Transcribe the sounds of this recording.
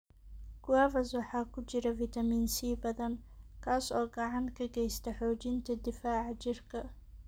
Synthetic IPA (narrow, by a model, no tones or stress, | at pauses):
ɡ̥ʊwaːvɐswɑħɑːkʰʊt͡ʃɪɾɐviːt̪ʰɐmiːnsiːbɐðɐnkʰaːsɔːɡɑʕɑŋkʰɐɡɛjst̪ʰɐħɔːt͡ʃɪnt̪ʰɐd̪ɪfaːʕt͡ʃɪrkʰɐ